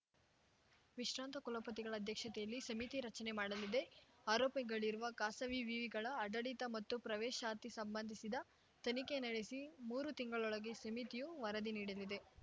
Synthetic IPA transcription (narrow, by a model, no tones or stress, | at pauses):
ʋiʃɾaːnt̪ɐkulɐpɐt̪iɡɐɭɐːd̪ʱjɐkʂɐt̪ɛjɐlːisɐmit̪iɾɐt͡ʃɐne̞maːɽɐlid̪e̞aːɾoːpɐɡɐɭiɾuʋɐkaːsɐʋiʋiʋiɡɐɭɐːɖɐɽit̪ɐmɐt̪ːupɾɐʋɛːʃaːt̪isɐmbɐnd̪ʱisid̪ɐ | t̪ɐnikenɐɽe̞simuːɾut̪iŋɡɐɭɔɭɐɡe̞sɐmit̪ijuʋɐɾɐd̪iniːɽɐlid̪e̞